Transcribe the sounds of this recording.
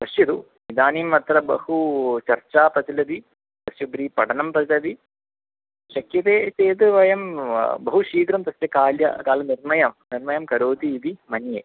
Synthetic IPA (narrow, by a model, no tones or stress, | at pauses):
t̪ɐsjɐd̪u | nid̪aːniːmɐt̪ɾɐbɐ̰hut͡ʃɐrt͡ʃaːpɐt̪ilɐd̪i | t̪ɐsjɐbɾiːpɐʈʰɐnɐmpɾɐt̪lɐd̪i | ʃɐkjɐt̪eːseːt̪ɨʋɐjɐmbɐɦuʃiːkɾɐmt̪ɐsjɐkaːljɐ̰kaːlɐniɾmɐjɐmniɾmɐjɐmkɐɾoːt̪iːd̪imɐnjeː